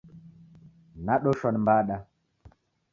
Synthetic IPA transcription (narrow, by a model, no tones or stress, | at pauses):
naɗoʃɔnmbaːɗa